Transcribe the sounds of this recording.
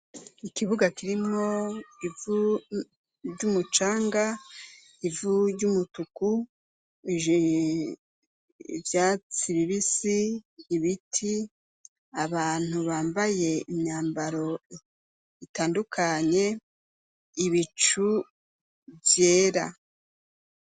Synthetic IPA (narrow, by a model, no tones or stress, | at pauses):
ikiβuɡakiɾimŋo̞ivu | ɾɟumut͡ʃaːŋɡa | ivuɾɟumutuku | ʒ | vjaːt͡siβiβisiːβitʰi | aβaːn̥huβaːmbaje̞imɲaːmbaɾo̞ | itaːndukʰaɲe̞ | iβit͡ʃu | vje̞ːɾa̰